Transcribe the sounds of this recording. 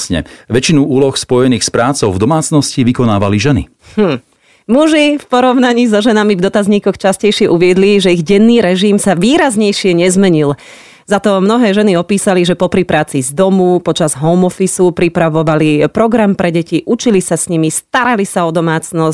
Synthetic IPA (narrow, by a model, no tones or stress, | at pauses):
sɲɛ̰ʋɛt͡ʃinuuːlɔxspɔjɛniːxspɾaːt͡sɔʊvd̪ɔmaːt͡snɔsciʋikɔnaːʋaliʒɛnḭ | h̩ | muʒifpɔɾɔʊnaɲiːzɔʒɛnamivd̪ɔt̪azɲiːkɔxt͡ʃascɛjʃɪɛʔuʋɪɛd̪liʒɛiɣɟɛnːiːɾɛʒimsaʋiːɾazɲɛjʃɪɛɲɛzmɛɲil | zat̪ɔmnɔɦɛːʒɛniɔpiːsaliʒɛpɔpɾipɾaːt͡sizd̪ɔmupɔt͡ʃazɦɔʊmɔfisupɾipɾaʋɔʋalipɾɔɡɾampɾʔɛɟɛciʔut͡ʃilisasɲimist̪aɾalisaɔd̪ɔmaːt͡snɔsc